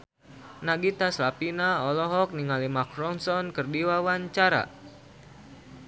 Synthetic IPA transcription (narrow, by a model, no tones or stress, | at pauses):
naɡit̪aslapinaɔlɔɦɔk̚niŋalimakɾɔnsɔnkərdiwawaɲt͡ʃaɾa̰